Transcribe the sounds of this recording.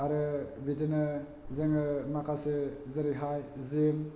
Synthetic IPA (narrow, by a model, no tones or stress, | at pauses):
aɾɯbidɯnɯ | zɯŋɯmakʰasɯzɯɾiɦajzim